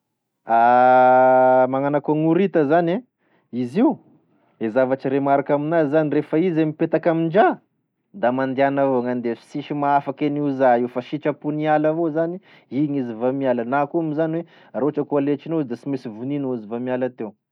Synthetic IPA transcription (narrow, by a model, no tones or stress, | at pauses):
a | maŋanakaŋuɾit̪əzane | iziu | ezavaʈ͡ʂiɾemaɾakaminazanirefaizemipet̪akamind͡ʒa | d̪amand̪eanavoŋand̪efi̥siʃimaafakeniuzaiwfaʃiʈ͡ʂəpunialavozani | iɲizivamialənakuamizaniwe | ɾoaʈ͡ʂəkualet͡ʃinoizd̪asimesivuninaizivamialat̪ew